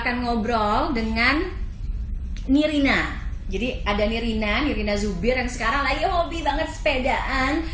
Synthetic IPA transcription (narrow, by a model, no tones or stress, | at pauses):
kanŋɔbɾɔldəŋan | iɾina | d͡ʒadiadaniɾinaniɾinazubɪrjaŋsə̥kaɾaŋlajɦobibaŋət̪̚sə̥pedaʔan